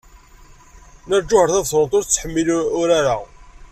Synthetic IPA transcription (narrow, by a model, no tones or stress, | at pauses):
nəɾd͡ʒːʊhəɾθæðθɾət̪ˤʊɾt͡sːħəmːilʊɾaɾa